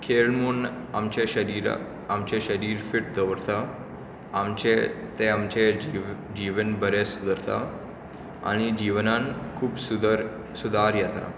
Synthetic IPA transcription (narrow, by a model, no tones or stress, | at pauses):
kʰeɭmuːn | amt͡ɕeɕəɾiːɾ | amt͡ɕeɕəɾiːɾfiʈ̚d̪əʋɾt̪a | amt͡ɕet̪eamt͡ɕed͡ʑiʋənbəɾesud̪əɾt̪a | a̰ɽ̃id͡ʑiʋnankʰuːbsuɾ | sud̪ʱaɾjɛt̪a̰